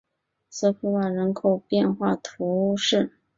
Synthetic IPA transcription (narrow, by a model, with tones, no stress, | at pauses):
s̩˥˩fu˧˥wa˨˩ɻə˧˥nkʰo˨˩ʊpjɛ˥˧nxwa˥˩t̪ʰu˧˥ʂɻ̩˥˩